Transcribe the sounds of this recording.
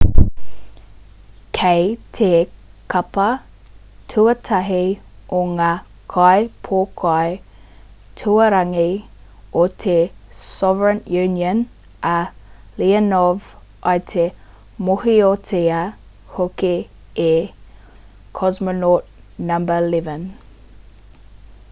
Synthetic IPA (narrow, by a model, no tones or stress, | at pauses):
kʰejtʰekʰɐpɐ | tʰuɐtʰɐɦioŋaː | kʰajpʰoːkʰaj | tʰuɐɾɐŋiot̪ʰesɔvəɹənjʉːnjən | ɐ | liɐnɔv | ʔɐjt̪ʰe | mohiotʰeɐ | hokeː | kʰɔzmonot̚ | nɐmbəlɛvən